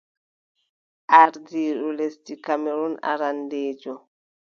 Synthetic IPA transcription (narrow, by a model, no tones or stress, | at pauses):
ʔaɾdiɗulesdikameɾuna̰ɾandeːd͡ʒɔ